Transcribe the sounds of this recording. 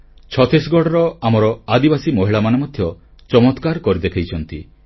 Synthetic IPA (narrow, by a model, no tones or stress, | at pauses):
t͡ʃʰɔt̪ʰisɡɔɽɔɾɔamɔɾɔad̪ibasimɔɦiɭamanemɔd̪ʱjɔ | t͡ʃɔmɔt̪kaɾkɔɾid̪ekʰajt͡ʃʰɔnt̪i